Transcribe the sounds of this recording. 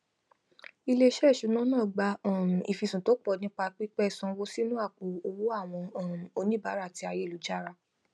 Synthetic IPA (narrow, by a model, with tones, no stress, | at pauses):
i˧le˦ʃɛ˦˨ʃu˨˦nã˦nãː˦˨ɡ͡ba˧˨i˨fi˧sũ˨to˨˦k͡pɔ˦˧˨nĩ˦k͡pa˧k͡pi˦k͡pɛ˦˨sɔ̃˧wo˦si˦nũ˦a˦˨k͡po˨o˧wo˦a˦˨w̃ɔ̃˧˦˨m˨o˧nĩ˦˨ba˨˦ɾa˦˨ti˧a˧je˦˨u˨˦d͡ʒa˦˨ɾa˧